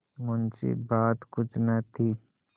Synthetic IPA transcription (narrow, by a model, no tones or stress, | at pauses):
mʊnt͡ʃḭbaːt̪kʊt͡ʃʰnat̪ʰi